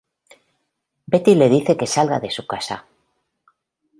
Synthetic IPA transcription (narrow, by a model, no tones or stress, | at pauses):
be̞t̪ile̞ðiθe̞ke̞salɣa̰ðe̞sukasa̰